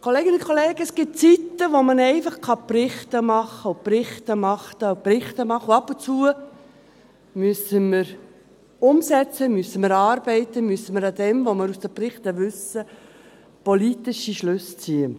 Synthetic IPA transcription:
kʰoleːɡənʊkʰoleːɡ̥əɛsɡ̥ɪt̚t͡sit̪ːəʋomənɛɪfɑχkʰɑprɪχt̪əmɑχəoprɪχtəmɑχtəprɪχt̪əmɑχːəuɑpʊnt͡suə | myəsəmɪɾ | ʊmsɛt͡səmyəsəməɾɑːɾb̥ɛɪt̪əmyəsəməɾɑd̪ɛmʋoməɾusd̥̪əprɪχt̪əʋʏsə | polit̪ɪʃiʃlʉst͡siə

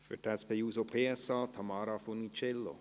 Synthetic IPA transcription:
fʏ̰tɛspejuːsopʰeːɛsɑːt̪ʰamɑːɾafonit͡ʃɛlːo̰

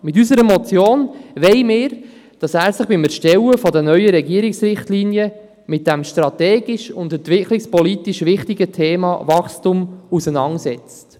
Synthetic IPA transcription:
mɪt̬ysəɾəmɔt͡sjoːnʋɛɪmɪːɾ | d̥ɑsæːɾsɪχb̥ɪmɛɾʃtɛwəfɔdənœʏəɾɛɡiəɾɪksɾɪχtliːnjə | mɪt̚d̥ɛmʃtɾɑtɛːɡiʃʊndɛntʋɪkʰlɪkspɔlitiʃʋɪχtiɡətʰeːmɑ̰vɑχstumusənɑŋsɛt͡st

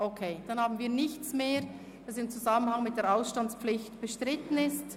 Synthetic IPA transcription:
ʔokʰeːd̥ɑnhaːbn̩viːɐnɪçt͡smeː | d̥ɑsɪmt͡suzamənhaŋmɪt̚d̥eːɐɾaʊsʃtant͡spp͡flɪçtb̥əʃtʁɪtən̩ɪst

